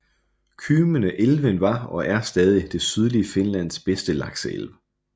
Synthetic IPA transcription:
kʰyːmənəʔelʋənʋɑ̈ɒ̽ʔæɐsd̥ɛːð̞ˠid̥e̝syð̞ˠliəfe̝nlæn̰sb̥esd̥əlɑ̈ɡ̥səḛlʋə

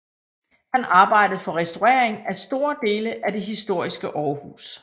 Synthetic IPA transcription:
hænɑ̈ːb̥ɑ̈ɪ̰d̥əð̩ˠfɒ̽ʁɛsd̥uɛɐ̰eŋæsd̥o̝ːɐd̥e̝ːləʔæd̥e̝ɦisd̥o̝ɐ̰isɡ̥əʔɒːhṵːs

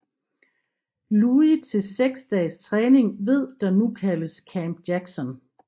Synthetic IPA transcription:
luit͡sʰe̝lseɡ̥sd̥ɛːst͡sʰʁɛːne̝ŋʋe̝ð̞̰ˠd̥ɑ̈nukʰæləskʰæmb̥jæɡ̥sɒ̽n

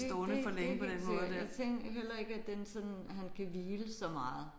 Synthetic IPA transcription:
sd̥ɔːnəfɒleŋəpʰɒd̥ennmɔːð̩ˠdt͡sʰeŋɡɦel̰ɐe̝ɡ̥əæd̥ensɒ̽dnɦænkʰæʋiːləsɒ̽mɑ̈ːð̞̩ˠ

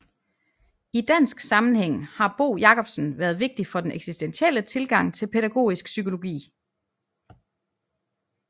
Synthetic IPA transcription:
id̥æn̰sɡ̥sɑ̈mn̩heŋ̰hɑ̈b̥o̝̰ːjɑ̈kʰɒ̽b̥sn̩ʋæːɐð̞ˠʋe̝ɡ̥̚d̥ifɒ̽d̥enʔeɡ̥sisd̥enɕiel̰ət͡sʰe̝lɡ̥ɑ̈ŋ̰t͡sʰe̝lpʰeɾ̥æɡ̥o̝̰ːisɡ̥sykʰo̝lo̝ɡ̥ḭː

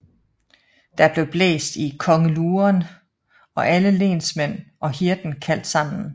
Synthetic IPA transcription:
d̥ɑ̈b̥le̝b̥lḛːsd̥ikʰɒ̽ŋəluːɐn | ɒ̽ʔæləle̝̰ːnsmen̰ʔɒ̽ɦiɐd̥n̩kʰæl̰d̥sɑ̈m̰n̩

